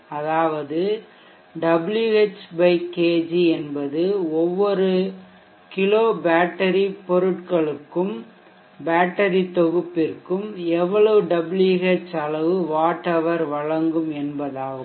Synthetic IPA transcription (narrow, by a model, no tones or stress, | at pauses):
ɐðaːʋɐðɯ | ɖɐbljuet͡ʃːbɐɪkeːd͡ʒiɛnbɐðɯɔʋːɔɾɯ | kɪɭoːbaːʈːɐɾipɔɾɯʈkɐɭɯkːɯm | baːʈːɐɾit̪ɔɣɯpːɪrkɯmɛʋːɐɭɐʋɯɖɐbljuɣet͡ʃːɐɭɐʋɯʋaːʈːɐʋɐɾʋɐɻɐŋɡɯmɛnbɐðaːɣɯ